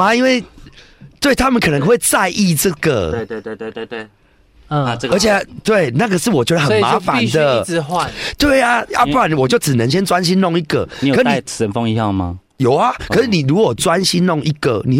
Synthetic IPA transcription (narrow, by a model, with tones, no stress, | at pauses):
a˦i˦nwe˥˩ɪ | t̪we˥˩ɪt̪ʰa˦mə˨nkʰɤ˨˩nə˧˦ŋxwe˥˧ɪt͡sa˥˧ɪʔi˥˧ʈ͡ʂə˥˨ɡə̰˩˧e˧˨˧we˥˧˨w | ə˧˦t͡ɕʰje˨˧˦t̪we˥˨˩ɪna˥˩ɡə˨ʂɻ̩˥˩˨wɔ˨t͡ɕɥwɛ˧˥d̪ə˧xə˨˩nma˨˧˦fa˦nd̪ə˨˧wa˨t̪we˥˩ɪa˨a̰˦pu˥˦˥a˨˩nwɔ˨t͡ɕjo˥˩ʊt͡sɻ̩˨˩nə˧˦ŋɕ̬jɛ˦nt͡swa˦nɕ̬i˦nnɔ˥˨ŋi˦˩ɡə̰˨i˨˦jʂ̩˥anʰ˥˨˩ə˧˦nfɔ˥˧ŋi˧hɑ˥˧ʊma̰˧ | jo˨˩ʊa˦kʰə˨˩ʂɻ̩˥˩ni˨˩ɻu˨˦˥kwɔ˨˩t͡swa˦nɕi˦nnɔ˥˨ŋi˦ɡə̰˨ni˨